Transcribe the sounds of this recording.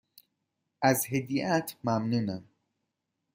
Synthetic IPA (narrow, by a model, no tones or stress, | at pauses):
ʔæzhed̪iːʔæt̪ʰmæmnuːnæm